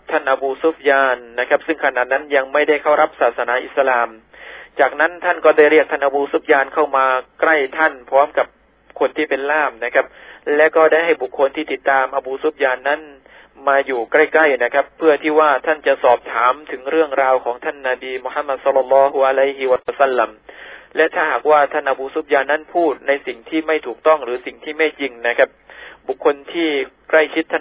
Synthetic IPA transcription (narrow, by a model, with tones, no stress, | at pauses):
p̚t̪ʰa˥˩nʔa˧buː˧su˦˥p̚jaː˧nːa˦˥kʰa˦˥p̚sɯ˥˩ŋkʰa˧na˨˩t̪̚na˦˥nja˧ŋma˥˩jda˥˩jkʰa˥˩wɾa˦˥p̚saː˨˩t̪̚sa˧naː˩˦ʔi˨˩t̪sa˧laː˧m | t͡ɕaː˨˩k̚na˦˥nt̪ʰa˥˩nkɔː˥˩da˥˩jɾi˥˩ək̚t̪ʰa˥˩nʔa˧buː˧su˦˥p̚jaː˧nkʰa˥˩wmaː˧kla˥˩jt̪ʰa˥˩npʰɔː˦˥mka˨˩p̚ | kʰo˧nt̪ʰiː˥˩pe˧nlaː˥˩mna˦˥kʰa˦˥p̚lɛ˦˥kɔː˥˩da˥˩jɦa˥˩jbu˨˩kʰːo˧nt̪ʰiː˥˩t̪i˨˩t̪ːaː˧mʔa˧buː˧su˦˥p̚jaː˧nːa˦˥˨n | maː˧juː˨˩kla˥˩jkla˥˩jna˦˥kʰa˦˥pʰːɯ˥˩ɐt̪ʰiː˥˩waː˥˩t̪ʰa˥˩nt͡ɕa˨˩ʔsɔː˨˩p̚t̪ʰaː˩˦mt̪ʰɯ˩˦ŋɾɯ˥˩əŋɾaː˧wkʰɔː˩˦ŋt̪ʰa˥˩nːa˧biː˧mo˧ha˦˥mːa˧˩t̪̚sɔ˦˥lːɔ˧lːɔː˦˥ɦu˧ʔa˧la˦˥˩jɦi˧wa˧sa˥˩lːa˧mlɛ˦˥ʔt̪ʰaː˥˩ɦaː˨˩k̚waː˥˩t̪ʰa˥˩nʔa˧buː˧su˦˥p̚jaː˧nːa˦˥npʰuː˥˩t̪̚na˧jsi˨˩ŋt̪ʰiː˥˩ma˥˩jt̪ʰuː˨˩k̚t̪ɔ˥˩ŋɾɯː˩˦si˨˩ŋt̪ʰiː˥˩ma˥˩jji˧ŋna˦˥kʰa˦˥p̚bu˨˩kʰːo˧nt̪ʰiː˥˩kla˥˩jt͡ɕʰi˦˥t̪ʰːa˥˩